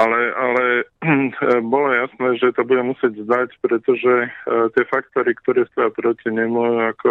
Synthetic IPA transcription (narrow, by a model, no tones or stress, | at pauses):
alɛalɛ | bɔlɔjasnɛːʒɛt̪ɔbuɟɛmusɪɛɟzd̪acpɾɛt̪ɔʒɛt̪ɪɛfakt̪ɔɾikt̪ɔɾɛːst̪ɔjapɾɔciɲɛmɔjuakɔ